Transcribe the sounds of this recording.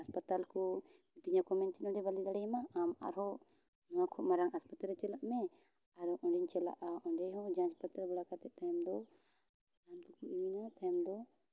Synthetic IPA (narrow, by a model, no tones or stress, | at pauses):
aspat̪alkɔ | t̪iɲakɔmɛnsinɔ̃ɖɛbalid̪aɽɛjmaama̰ɾɦɔ | nɔwakʰɔmaɾaŋaspat̪aɾɛt͡ʃɛlaʔmɛ | aɾɔʔɔɳɖiɲt͡ʃɛla̰ʔaʔɔɳɖɛjɦɔd͡ʒãspat̪aɾbɔlakat̪ɛt̪ʰamd̪ɔ | amt̪ukuiinat̪ʰamd̪ɔ